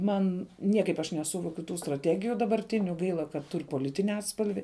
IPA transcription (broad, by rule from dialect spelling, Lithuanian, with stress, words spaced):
ˈmɐn ˈnʲiɛkɐɪp ɐʃ nʲɛˈsʊʋoːkʲʊ ˈtuː strɐˈtʲæːɡʲɪjʊ dɐbɐrʲˈtʲɪnʲʊ ˈɡɐɪlˠɐ kɐt ˈtʊrʲ poːˈlʲɪtʲɪnʲɪ ˈɑːtspɐlʲʋʲɪ